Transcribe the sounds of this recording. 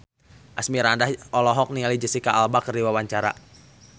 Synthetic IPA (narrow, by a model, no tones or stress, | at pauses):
ʔasmiɾandahɔlɔɦɔk̚niŋalid͡ʒəsikaalbakərdiwawaɲt͡ʃaɾa̰